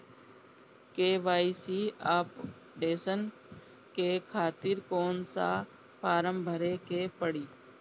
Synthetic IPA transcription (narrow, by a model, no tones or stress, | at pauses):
keːʋaːisiːaːp | ɖeːsən | keːkʰaːt̪ɪɾkoːnsa̰ː | fʰaːɾəmbʱəɾeːkeːpəɽiː